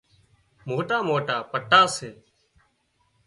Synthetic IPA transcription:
moːʈaːmoːʈaːpəʈːaːseː

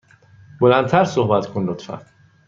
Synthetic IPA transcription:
bolænd̪̚t̪ʰæɾsohbæt̪kʰonlot̪fæ̰n

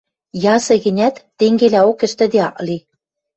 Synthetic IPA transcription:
jɑsɤ̆ɣɘ̆nʲæt̪ːeŋɡelæokɘ̆ʃt̪ɘ̆d̪eɑʔli

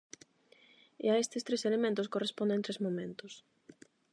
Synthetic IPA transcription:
ɪ̰aest̪ɪst̪ɾeselemẽnt̪ʊskorespõnd̪ẽnt̪ɾezmomẽnt̪ʊs

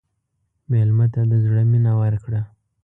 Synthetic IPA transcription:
melmat̪ad̪əzɽəminawəɾkɽa

